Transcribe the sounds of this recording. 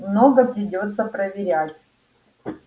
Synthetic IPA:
mnoɡəpɾʲɪdʲo̞t̪sːəpɾəvʲɪɾʲætʲ

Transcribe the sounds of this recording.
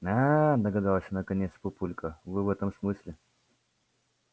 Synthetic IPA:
ad̪əɡɐd̪alˠəsʲənəkɐnʲet̪spʊpulʲkəvɨvɛt̪əmsmɨsʲlʲɪ

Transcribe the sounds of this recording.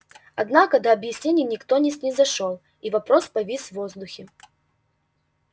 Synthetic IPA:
ɐd̪nakəd̪ɐɐbjɪsʲnʲenʲɪjnʲɪkt̪onʲɪsʲnʲɪzɐʂolˠ | ivɐpɾospɐvʲisvozd̪ʊxʲɪ

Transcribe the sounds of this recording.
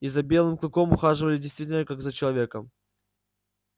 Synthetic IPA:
izɐbʲe̞lˠɨmklˠʊko̞mʊxaʐɨvəlʲɪdʲɪjst̪vʲitʲɪlʲnəkaɡzət͡ɕɪlˠɐvʲe̞kəm

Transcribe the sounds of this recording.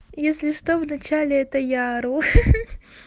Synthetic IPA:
jesʲlʲɪʂt̪ovnɐt͡ɕalʲɪɛt̪əjaɾux

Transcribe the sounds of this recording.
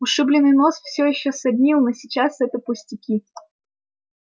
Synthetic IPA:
ʊʂɨblʲɪnːɨjno̞sfsʲojɪɕːosɐbʲnʲilˠnosʲit͡ɕasɛt̪əpʊsʲtʲɪkʲi

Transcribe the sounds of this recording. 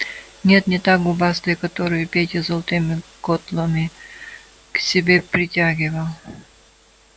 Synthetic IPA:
nʲe̞t̪nʲɪt̪ak̚ɡʊbast̪ɨjkət̪oɾɨjʊpʲetʲɪzəlˠət̪ɨmʲɪkot̪lˠəmʲɪ | ksʲɪbʲepɾʲɪtʲaɡʲɪvəlˠ

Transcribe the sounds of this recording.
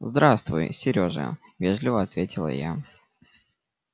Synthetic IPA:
zd̪ɾast̪vʊ̰jsʲɪɾʲoʐɨ̰vʲeʐlʲɪvəɐt̪vʲetʲɪlˠə̰ja̰

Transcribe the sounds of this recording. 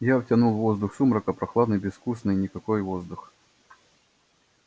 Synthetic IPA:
javtʲɐnulˠvo̞zd̪ʊxsumɾəkəpɾɐxlˠad̪nɨjbʲɪsfkusnɨjnʲɪkɐkojvozd̪ʊx

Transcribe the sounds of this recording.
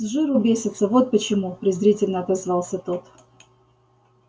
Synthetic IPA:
zʐɨɾʊbʲesʲɪt̪səvo̞t̪̚pət͡ɕɪmupɾʲɪzɾʲitʲɪlʲnəɐt̪ɐzvɑlˠsʲət̪ot̪

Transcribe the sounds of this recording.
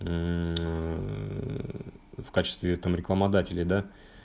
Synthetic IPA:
fkat͡ɕɪ̥st̪vʲɪt̪amɾʲɪklˠəmɐd̪atʲɪlʲɪjd̪a

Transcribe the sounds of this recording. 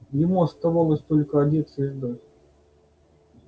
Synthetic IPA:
jɪmuɐst̪avalˠəsʲt̪olʲkəɐdʲet̪sʲɪʐd̪atʲ

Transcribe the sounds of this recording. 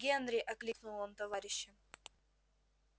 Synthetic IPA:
ɡʲenɾʲɪʔɐklʲiknulˠomt̪ɐvaɾʲɪɕːɪ

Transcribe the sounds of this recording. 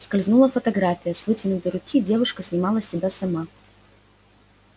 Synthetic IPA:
skɐlʲznulˠəfɐt̪ɐɡɾafʲɪjəsvɨtʲɪnʊt̪əɾʊkʲidʲe̞vʊʂkəsʲnʲɪmalˠəsʲɪbʲasɐma

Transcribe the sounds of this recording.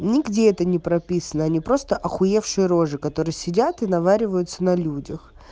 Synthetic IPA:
nʲɪɡdʲeɛt̪ənʲɪpɾɐpʲisənəɐnʲipɾo̞st̪əʔɐxʊje̞fʂɨjəɾo̞ʐɨkɐt̪o̞ɾɨjəsʲɪdʲat̪ɨnɐvaɾʲɪvəjʊt̪sənɐlʲudʲəx

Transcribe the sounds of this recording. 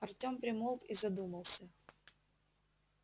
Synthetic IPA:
ɐrtʲo̞mpɾʲɪmolˠkizɐd̪uməlˠsʲə

